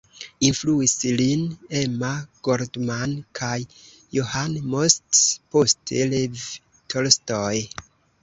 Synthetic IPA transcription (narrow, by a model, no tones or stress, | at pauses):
influislinemaɡ̥oɾdmankʰajː | ohanmostpostelev | tʰolstoj